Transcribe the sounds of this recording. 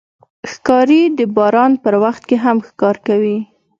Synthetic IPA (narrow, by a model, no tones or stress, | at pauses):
xkɑɾid̪əbɑɾɑnpəɾwaxt̪̚keɦamxkɑɾkawi